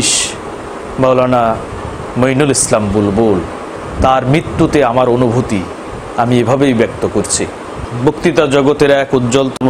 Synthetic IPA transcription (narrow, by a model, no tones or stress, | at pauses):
ʃ | mɔwlana | mojnulislambulbol | t̪aɾmɾit̪ːut̪eamaɾonubʱut̪i | amiebʱabejbɛk̚t̪okoɾt͡ɕʰi | bokt̪it̪ad͡ʑɔɡot̪eɾɛkud̪ːd͡ʑɔlt̪ɔm